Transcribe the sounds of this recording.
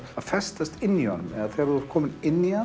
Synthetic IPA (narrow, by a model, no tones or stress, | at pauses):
aðfɛst̪ast̪ɪnːia̰nmɛðaðθɛɾɔɾ̥t̪kʰɔːmɪnɪnːia